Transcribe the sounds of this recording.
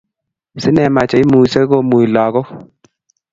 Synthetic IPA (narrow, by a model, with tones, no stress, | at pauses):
sɪ˦nɛ˧˨ma˧t͡ʃa˨i˦mu˨se˦ɡo˧˨mu˨i˨la˨ɣo˦